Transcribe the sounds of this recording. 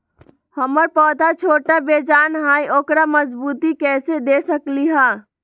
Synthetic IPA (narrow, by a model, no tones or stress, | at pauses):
həməɾpɔːd̪ʱat͡ʃʰoʈabed͡ʒanɦãjʔokɾaməd͡ʒbut̪ikɛsed̪esəkliɦã